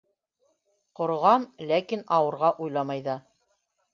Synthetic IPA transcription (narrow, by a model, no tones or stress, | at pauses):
qŏɾʁɑmlækinɑwɤ̆ɾʁɑʔujlˠɑmɑjðɑ